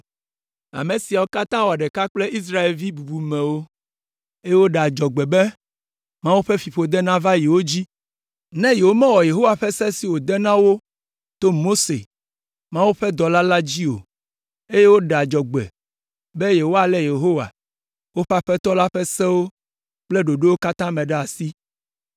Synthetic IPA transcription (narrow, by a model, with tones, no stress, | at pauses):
a̰˨mẽ˨si˨a˨wo˦ka˦t̪ã˦wo˨a˨ɖɛ˨ka˦k͡plɛ˦ʔi˦s̬ɾa˦e˨lvi˦bu˨bu˨mɛ̃˨wo˦ | e˦je˦wo˦ɖe˨a˨d͡ʒɔ˨ɡ͡bɛ˨bɛ˦ | mã˦wu˦ɸɛ˦fi˨ɸo˦d̪ɛ˦nã˦va˦ji˨wo˦d͡ʑi˦ | nɛ̃˦ji˨wo˦mɛ̃˦wɔ˨je˨ɦo˦wa˨ɸɛ˦sɛ˦si˨wo˨d̪ɛ˦nã˦wo˦ | t̪o˦mo˦se˨ | mã˦wu˦ɸɛ˦d̪ɔ˨la˦la˦d͡ʑi˦o̰˨ | e˦je˦wo˦ɖɛ˨a˨d͡ʒɔ˨ɡ͡bɛ̰˨ | bɛ˦je˨wo˦a˨lɛ˦je˨ɦo˦wa̰˨ | wo˦ɸa˦ɸɛ˦t̪ɔ˦la˦ɸɛ˦sɛ̃˦wo˦ | k͡plɛ˦ɖo˨ɖe˦wo˦ka˦t̪ã˦mɛ̃˨ɖɛ˦a˨si˦